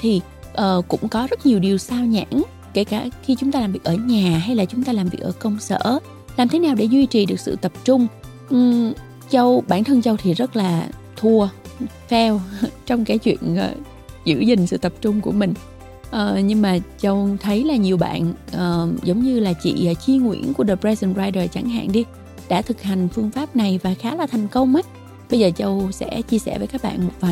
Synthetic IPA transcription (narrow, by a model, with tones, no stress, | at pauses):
t̪ʰi˨˩ | ʔəː˨˩kʊ̰˧˥ŋ͡mkɔ˨˦zə˦˥t̚ɲi˨˩əwɗi˨˩əwsaː˧wɲa̰ː˧˥˨n | ke˧˩kaː˧˩xi˧t͡ɕʊ˨˦ŋ͡mt̪aː˧laː˨˩mvi˨˩ək̚ʔəː˧˩ɲaː˨˩ɦa˧jlaː˨˩t͡ɕʊ˨˦ŋ͡mt̪aː˧laː˨˩mvi˨˩ək̚ʔəː˧˩kə˧wŋ͡msə̰ː˧˥ | laː˨˩mt̪ʰe˨˦naː˨˩wɗe˧˩zwi˧t͡ɕi˨˩ɗɨ˨˩ək̚sɨ̰˧˨t̪ə˨˩p̚t͡ɕʊ˧ŋ͡m | ʔ | t͡ɕə˧wɓa̰ː˧˩˨nt̪ʰə˧ŋt͡ɕə˧wt̪ʰi˨˩zə˦˥t̚laː˨˩ | t̪ʰu˧ə | fɛ˧wt͡ɕɔ˧wŋ͡mkaː˨˦jt͡ɕwḭ˧˨ənə̰˨˩ | zɨ̰˧˥zï˨˩ŋ̟sɨ̰˧˨t̪ə˨˩p̚t͡ɕʊ˧ŋ͡mku˧˩əmï˨˩ŋ̟ | ʔəː˨˩ɲɨ˧ŋmaː˨˩t͡ɕə˧wt̪ʰə˨˦jlaː˨˩ɲi˨˩əwɓa̰ː˧˨nʔəː˨˩zə˨˦wŋ͡mɲɨ˧laː˨˩t͡ɕḭː˧˨˩t͡ɕi˧əŋwḭ˧˥˩ənku˧˩ə˦ɗə˨˩pɹɛ˧zə˧˩nzaː˧jɗəː˨˩t͡ɕa˧˩ŋɦa̰ː˧˨nɗi˧ | ɗa̰ː˧˥t̪ʰɨ˨˩k̚ha˨˩jŋ̟fɨ˧əŋfaː˦˥p̚na˨˩jvaː˨˩xaː˨˦laː˨˩t̪ʰjŋ̟kə˧wŋ͡mʔə˨˦j | ɓə˧jzəː˨˩t͡ɕə˧wsɛ̰˧˥t͡ɕi˧əsɛ̰˧˩vəː˨˦jkaː˦˥k̚ɓa̰ː˧˨nmo˨˩t̚vaː˨˩j